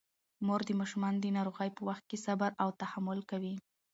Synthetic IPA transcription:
moɾd̪əmɑʃumɑnd̪ənɑɾoɣəjpəwaxt̪̚kesabaɾawt̪ahamːʊlkawi

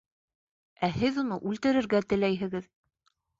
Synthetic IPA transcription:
æhɘðunɤʔʉlt̪ɘ̆ɾɘ̆ɾɡæt̪ɘ̆læjɦɘ̆ɡɘð

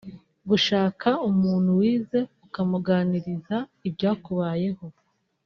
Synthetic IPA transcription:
ɡuʃaːkʰaumuːn̥huwiːze̞ukamuɡaːniɾizaibɟaːkuβaːje̞ho̞

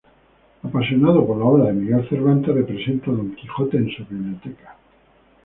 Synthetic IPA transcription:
apasjo̞nað̞opoɾlaoβɾaðe̞miɣe̞lθe̞ɾβ̞ant̪ere̞pɾese̞nt̪aðo̞ŋkixo̞t̪e̞ːnsuβiβlijo̞t̪ekḁ

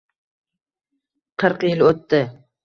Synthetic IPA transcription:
qʰɨɾqjɪlot̪ːɪ

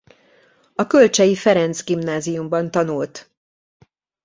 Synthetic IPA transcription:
ɒkølt͡ʃɛjifɛɾɛnt̪sɡimnaːzijumbɒnt̪ɒnult̪

